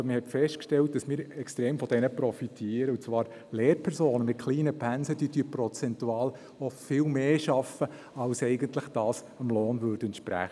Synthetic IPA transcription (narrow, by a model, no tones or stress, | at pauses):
məhɛtfɛʃtkʃtɛlt̚d̥ɑsmɪːɾɛkstɾeːmfɔd̥ɛnəpɾɔfitʰiːɾəʊt͡svʋɑːɾ | leːɾpʰɛɾsoːnəmɪt̚kʰliːnəpʰænsəd̥yːd̥yəpɾɔt͡sɛntuɑːl | ɔfɪlmeːʃɑfə | ɑlsɛɪɡənt̪lɪχd̥ɑːs | ɑmloːnʋøɾdɛntʃpɾæ̰χ